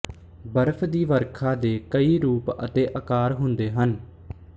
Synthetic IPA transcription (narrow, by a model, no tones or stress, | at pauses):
bəɾpʰd̪iːʋəɾkʰaːd̪eːkəiːɾuːpə̰t̪eːʔəkaːɾɦʊnd̪eːɦən